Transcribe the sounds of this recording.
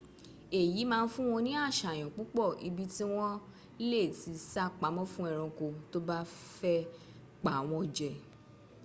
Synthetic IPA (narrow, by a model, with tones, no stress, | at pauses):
e˨ji˨˦mãː˧n̩˦fũ˦w̃ɔ̃˧nĩ˦a˦˨ʃa˨j̃ɔ̃˨k͡pu˨˦k͡pɔ˦˨i˧bi˦ti˦w̃ɔ̃˦ | i˦le˦˨ti˧˦sa˦k͡pa˨˦mɔ̃˦fũ˦ɛ˦˨ɾ̃ɔ̃˧ko˧to˦ba˦fɛ˦ | k͡pa˨w̃ɔ̃˧d͡ʒɛ˨˧